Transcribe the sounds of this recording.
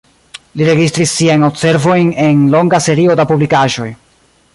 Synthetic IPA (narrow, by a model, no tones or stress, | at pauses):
liɾe̞ɡistɾisːiajno̞pse̞ɾvo̞jne̞nlo̞ŋɡase̞ɾio̞dapublikaʒo̞j